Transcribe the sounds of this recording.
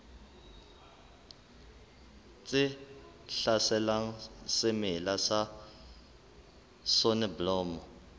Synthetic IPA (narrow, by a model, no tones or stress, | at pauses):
t͡sʼɪ | ɬasɛlaŋ̩sɪmɪlasa | sonɪblɔːmɔ